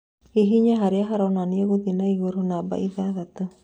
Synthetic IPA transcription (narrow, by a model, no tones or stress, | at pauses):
iɦiɲaɦaɾiaɦaɾɔnanioɣud̪inaiɡoɾunaba̰ʔiðaðat̪ɯ